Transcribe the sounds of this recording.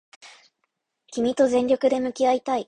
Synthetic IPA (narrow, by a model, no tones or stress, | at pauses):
kʲimʲit̪o̞zẽ̞ɲɾʲo̞kɯ̟d̪e̞mɯ̟kʲiait̪ai